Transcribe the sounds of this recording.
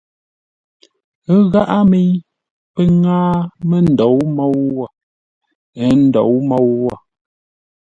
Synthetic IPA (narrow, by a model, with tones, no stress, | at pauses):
ɣa˦ʔa˦mi˦ | pə˦ŋaː˦mə˦n̩˨dɔ˨˦wmɔ˦wwa˦˨ | ɛ˨˦n̩˨dɔ˨wmɔ˦wːa˦˨